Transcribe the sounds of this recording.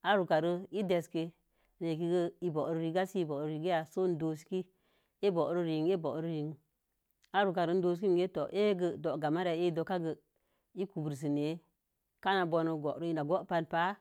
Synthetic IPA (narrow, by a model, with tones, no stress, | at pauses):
a˦ɾu˨ka˨ɾə˧i˦de˨ske˧ | ɾe˨ki˦ɡə˦i˦bo˨ɾə˦ɾi˧˦ɡa˦si˦bo˨ɾɾi˨ɡə˦ja˨so˦n˦do˨si̥˦ki˦ | e˦bo˨ʔɾə˦ɾi˨ŋe˦bo˨ɾə˦ɾi˨ŋ | a˦ɾu˨ka˨ɾə˨˦n̩˦do˧s̬ki˦n˨ɡe˦to˨ʔe˦ɡə˨do˨ɡa˨ma˦ɾa˨˦e˦i˦do˨ka˦ɡə˨ | i˦ku˨bɨ˨ɾs̬i˨ne˨˦ | ka˦na˨bo˧no˧ɡo˨ʔɾə˦i˨na˨ɡo˦pa˧npa˦